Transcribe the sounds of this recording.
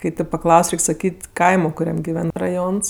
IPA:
kɐɪ tʲɛɪp pɐˈklˠɐʊsʲ ˈrʲɛɪkʲ sɐˈkʲiːtʲ ˈkɐɪmoː kʊˈrʲɛm ɡʲɪˈʋʲɛn rɐˈjoːns

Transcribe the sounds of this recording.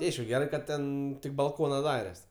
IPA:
tʲɪ ˈɐɪʃkʊ ˈɡʲæːrɐɪ ˈkɐt ˈtʲɛn tʲɪk bɐlˠˈkoːnɐ ˈdɑːrʲɛs

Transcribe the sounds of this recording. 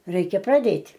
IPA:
ˈrʲɛɪkʲɛ prɐˈdʲeːtʲ

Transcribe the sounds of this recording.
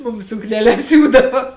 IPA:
ˈmʊm sʊknʲɛˈlʲɛs ˈsʲuːdɐʋɐ

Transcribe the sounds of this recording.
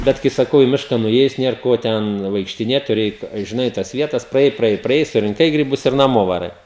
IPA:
ˈbʲɛt kɐɪ sɐˈkɐʊ ɪ ˈmʲɪʃkɐ nʊˈeːjʊs ˈnʲiɛr ˈkoː tʲɛn ʋɐɪkʃʲtʲɪˈnʲeːt tʊˈrʲɪ ˈɛɪt ʒʲɪˈnɐɪ tɐs ˈʋʲiɛtɐs prɐˈjɛɪ prɐˈjɛɪ prɐˈjɛɪ sʊrʲɪŋˈkɐɪ ɡrʲɪˈbʊs ɪr nɐˈmoː ʋɐˈrɐɪ

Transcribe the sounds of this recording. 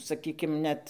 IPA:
sɐˈkʲiːkʲɪm ˈnʲɛt

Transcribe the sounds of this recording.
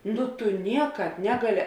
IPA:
ˈnʊ tʊ ˈnʲiɛkɑːp ˈnʲæːɡɐˌlʲɪ

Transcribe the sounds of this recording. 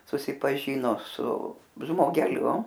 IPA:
sʊsʲɪpɐˈʒʲiːnoː sʊ ʒmoːɡʲɛˈlʲʊ

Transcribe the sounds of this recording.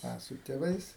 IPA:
ˈɐ sʊ tʲeːˈʋɐɪs

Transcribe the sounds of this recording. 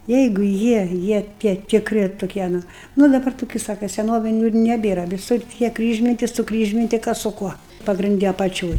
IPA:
ˈjɛɪɡʊ ˈjiɛ ˈjiɛ ˈtʲiɛ tʲɪkˈrʲɪ toːˈkʲiɛ ˈnʊ ˈnʊ dɐˈbɐr toːˈkʲʊ ˈsɑːkɐ sʲɛˈnoːʋʲɪnʲʊ ɪr nʲɛˈbʲeːrɐ ʋʲɪˈsʊr tʲiɛ ˈkrʲiːʒʲmʲɪnʲtʲɪ sʊˈkrʲiːʒʲmʲɪnʲtʲɪ ˈkɐs sʊ ˈkuɔ pɐɡrʲɪnʲˈdʲɪ ɐpɐˈt͡ʃʲoːj

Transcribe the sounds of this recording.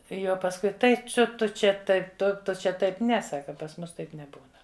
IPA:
ˈjɛʊ pɐsˈkʊɪ ˈtɐɪ ˈt͡sʲʊ ˈtʊ ˈt͡ʃʲɛ ˈtɐɪp ˈtʊ ˈtʊ t͡ʃʲɛ ˈtɐɪp ˈnʲɛ ˈsɑːkɐ pɐs ˈmʊs ˈtɐɪp nʲɛˈbuːnɐ

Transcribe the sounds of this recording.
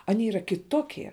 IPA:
ɐˈnʲiɛ iːˈrɐ kʲɪˈtoːkʲiɛ

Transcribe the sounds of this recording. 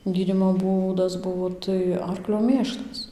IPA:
ˈɡʲiːdʲiːmoː ˈbuːdɐs ˈbʊʋoː tɐɪ ˈɐrklʲoː ˈmʲeːʃlˠɐs

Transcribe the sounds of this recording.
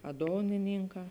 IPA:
ɐ ˈdoːnʲɪnʲɪŋˌkɑː

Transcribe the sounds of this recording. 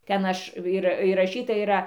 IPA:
ˈtʲɛn ˈɐʃ ɪr iːrɐˈʃʲiːtɐ iːˈrɐ

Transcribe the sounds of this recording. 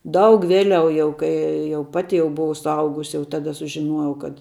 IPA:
ˈdɐʊk ˈʋʲeːˌlʲɛʊ jɛʊ ˈkɐɪ jɛʊ ˈpɑːtʲɪ jɛʊ bʊˈʋɐʊ sʊˈɐʊɡʊs jɛʊ ˈtɑːdɐ sʊʒʲɪˈnuɔjɛʊ kɐt

